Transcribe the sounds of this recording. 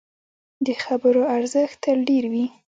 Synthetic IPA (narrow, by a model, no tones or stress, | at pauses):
d̪əxabəɾoaɾzəxt̪əlɖeɾwi